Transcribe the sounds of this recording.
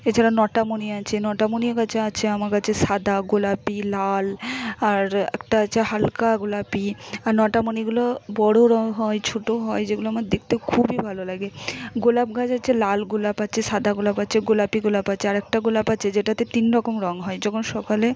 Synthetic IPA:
et͡ɕʰaɾanɔʈamoniat͡ɕʰenɔʈamoniekat͡ɕʰeat͡ɕʰeamakat͡ɕʰeʃad̪ʱaɡolapilalaɾɛ̰k̚ʈaat͡ɕʰeɦalkaɡolapiaɾnɔʈamoniɡulobɔɽoɾɔŋɦɔet͡ɕʰoʈoɦɔed͡ʑeɡuloamaɾd̪ek̚t̪ekʰubibʱalolaɡeɡolab̚ɡad͡ʑat͡ɕʰelalɡolapat͡ɕʰeʃad̪ʱaɡolapat͡ɕʰeɡolapiɡolapat͡ɕʰeaɾɛk̚ʈaɡolapat͡ɕʰed͡ʑeʈat̪et̪inɾɔkomɾɔŋɦɔed͡ʑɔkʰonʃɔkale

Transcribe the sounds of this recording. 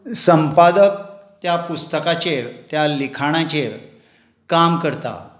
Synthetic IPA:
səmpad̪ək̚ | t̪japust̪əkat͡ɕet̪jalikʰaɽ̃ãt͡ɕeɾ | kamkəɾt̪a̰

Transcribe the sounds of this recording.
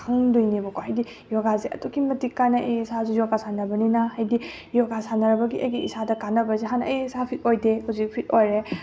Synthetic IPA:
kʰaŋdujnibɐkohajdi | jɔɡazeʔɐ̰tokʰimɐtikanaʔisazujɔɡasanɐbɐninahajdi | jɔɡasanɐɾɐbɐɡiʔɐ̰jɡiisadɐkanɐbɐzeɦana̰jsapʰit̚ojdehuzik̚pʰit̚ojɾe

